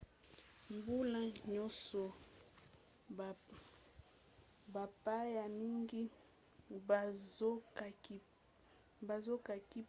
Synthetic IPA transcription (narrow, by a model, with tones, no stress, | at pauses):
mbu˦la˦ɲɔ˦sɔ˨ | ba˨pa˦ja˨mi˦ŋɡi˦˨˦ | ka˨k | ba˨zo˦ka˨ki˦